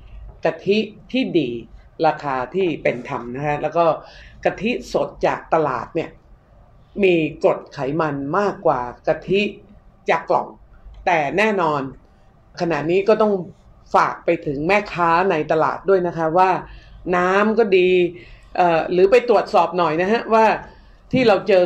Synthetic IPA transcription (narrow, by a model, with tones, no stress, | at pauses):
ka˧t̪ʰi˦˥ʔt̪ʰiː˥˩diː˧ | ɾaː˧kʰaː˧t̪ʰiː˥˩pe˧nt̪ʰa˧mna˦˥kʰa˦˥lɛː˦˥wkɔː˥˩ka˧t̪ʰi˦˥so˨˩t̪̚t͡ɕa̰ː˨˩k̚t̪a˧la̰ː˨˩t̪̚ni˥˩ə | miː˧ko˨˩t̪̚kʰa˩˦jma˧nmaː˥˩kːwaː˨˩ka˧t̪ʰi˦˥ʔt͡ɕaː˨˩kːlɔ̰˨˩ŋt̪ɛː˨˩nɛː˥˩nɔː˧n | kʰːa˧na̰˨˩niː˦˥kɔː˥˩t̪ɔ˥˩ŋ | faː˨˩k̚pa˧jt̪ʰɯ˩˦ŋmɛː˥˩kʰaː˦˥na˧jt̪a˧la̰ː˨˩t̪̚du˥˩əjna˦˥kʰa˦˥waː˥˩naː˦˥mkɔː˥˩diː˧ʔɤː˨˩ɾɯː˩˦pa˧jt̪ɾu˨˩ət̪̚sɔː˨˩p̚nɔ˨˩jna˦˥kʰa˦˥waː˥˩ | t̪ʰiː˥˩ɾa˧wt͡ɕɤː˧